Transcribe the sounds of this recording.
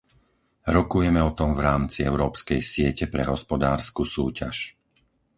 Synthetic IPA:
ɾɔkujɛmɛɔt̪ɔmvɾaːmt͡siɛʊɾɔːpskɛjsɪɛcɛpɾɛɦɔspɔd̪aːɾskusuːca̰ʃ

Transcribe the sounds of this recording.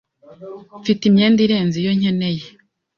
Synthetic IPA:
fitimɲeːndiɾe̞ːnzijo̞ɲeneje

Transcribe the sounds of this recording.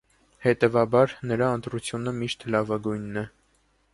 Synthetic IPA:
hɛt̪ɛvɑbɑɾnəɾɑənt̪ɾut͡sʰjunəmiʃt̪lɑvɑɡujnːɛ

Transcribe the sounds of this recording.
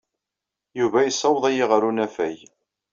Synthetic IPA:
juvæjsˤːɑwəðˤæjiʁəɾunæfæj

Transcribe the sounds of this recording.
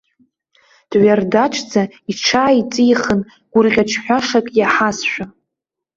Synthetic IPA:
d̥ʕardaʈ͡ʂʰʼd͡za | iʈ͡ʂʰaːit͡sʼijχən | ɡ̥ʷʊrʁʲaʈ͡ʂʰħʷᶣaʂakʼjaħasʃʷᶣa

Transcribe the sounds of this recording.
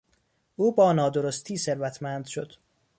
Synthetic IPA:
ʔuːbɒːnɒːd̪oɾost̪ʰiːse̞ɾvæt̪ʰmænd̪̥ʃod̪̥

